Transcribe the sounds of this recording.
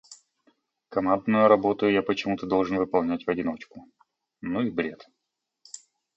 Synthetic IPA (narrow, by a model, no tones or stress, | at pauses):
kɐmand̪nʊjʊɾɐbo̞t̪ʊjʊjapət͡ɕɪmut̪əd̪o̞lˠʐɨnvɨpɐlˠnʲætʲvɐdʲɪno̞t͡ɕkʊ | nuibɾʲe̞t̪